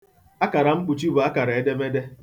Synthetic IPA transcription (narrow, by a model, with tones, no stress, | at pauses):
a˦ka˨ɾa˨ŋ͡m̩˦k͡pu˨t͡ʃi˦bʊ˨a˦ka˨ɾa˨e˦de˦me˦de˦